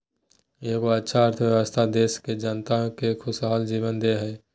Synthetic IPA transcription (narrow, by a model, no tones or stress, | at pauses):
jeːkoɐtːʃʰaəɾt̪ʰəʋjəʋəst̪ʰad̪eːʃked͡ʒənt̪akekʰʊsɦaːld͡ʒiːʋənd̪eɦɛː